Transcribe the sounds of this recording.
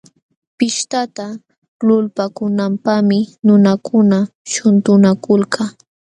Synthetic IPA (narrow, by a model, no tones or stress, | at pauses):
pɪʃt̪at̪a | lʊlpakʊnampamɪnʊnakʊnaʃʊnt̪ʊnakʊlka